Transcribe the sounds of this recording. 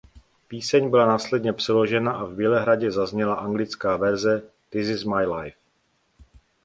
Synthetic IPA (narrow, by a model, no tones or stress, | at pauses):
piːsɛɲbɪlanaːslɛdɲɛpr̥ɛlo̞ʒɛnaʔavbjɛlɛɦɾaɟɛzazɲɛlaʔaŋɡlɪt͡skaːvɛɾzɛ | d̪̥ɪzɪzmajlajf